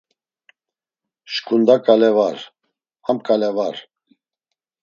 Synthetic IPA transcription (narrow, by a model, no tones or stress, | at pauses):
ʃkʰund̪akʼalɛvaɾ | amkʼalɛvaɾ